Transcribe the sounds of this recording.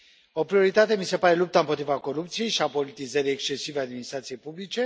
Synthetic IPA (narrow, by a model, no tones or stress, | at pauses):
o̞pɾio̞ɾit̪at̪e̞mise̞paɾe̞lup̚t̪aɨmpo̞t̪ɾivako̞ɾupt̪sije̞jʃiapo̞lit̪izəɾiekst͡ʃe̞sivead̪minist̪ɾat̪sijejpublit͡ʃe̞